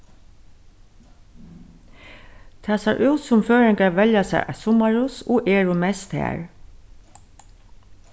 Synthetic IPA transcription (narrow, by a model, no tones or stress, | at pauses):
t̪ʰaːsɛʔʉwt̪sʊmføːɹɪŋkaɹʋɛljasɛ̰ɹʔa̰sʊmaɹʊsɔʔɛːɹʊmɛst̪hæ̰ːɹ